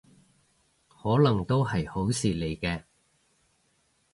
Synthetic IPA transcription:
hɔː˨˥lɐ˨˩ŋt̪o˥whɐ˨jho˨˥wsiː˨le˨˩jkɛː˧

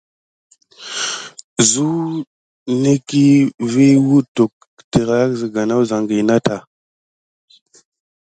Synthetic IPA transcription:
zu˦ | ne˦ki˦vi˦wu˦tu˨k̚ | ti˨ɾa˦a˦kzi˨ɡa˨na˦wza˨ŋɡi˨na˦ta˨

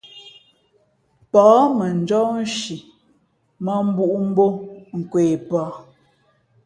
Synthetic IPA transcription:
pɔː˨˦mə˨n˨˦d͡ʒɔ˦n̩˦ʃi˨ | mɔ˦m̩˦bu˦ʔu˦m̩˦bo˦ŋ̩˨kweː˨pɔ˨˦

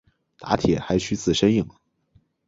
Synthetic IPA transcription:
t̪a˧˥t̪ʰjɛ̰˨˩xa˧˥ɪt͡ɕʰy˥t͡sɹ̩˥˩ʂə˥ni˥˩ŋ

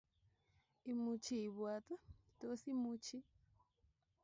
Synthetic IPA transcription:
i˨mu˧t͡ʃʰi˦˨i˨βwa˧t̪a˦to˦si˦mu˦t͡ʃi˦

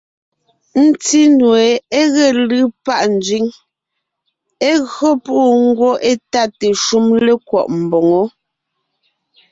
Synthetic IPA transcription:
n̩˦ti˦nwe˨e˦ɣɛ˨lɯ˦pa˦ʔn̩˨d͡ʒɥi˦ŋ | e˦ɣɰo˦puː˦ŋ̩˦ɡwo˦ʔe˦ta˦˨te˨ʃu˦mle˦kwɔ̰˨ʔm̩˨bɔ˨ŋo˦

